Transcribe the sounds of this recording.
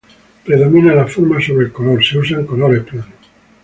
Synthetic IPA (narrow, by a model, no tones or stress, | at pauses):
pɾe̞ðo̞mĩnalafoɾmaso̞βɾelkolo̞ɾseus̬aŋkoloɾeplano